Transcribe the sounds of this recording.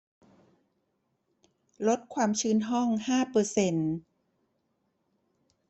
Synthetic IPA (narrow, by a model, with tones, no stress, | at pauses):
lo˦˥t̪̚kʰwaː˧mt͡ɕʰɯː˦˥nɦɔ˥˩ŋhaː˥˩pɤː˧se˧n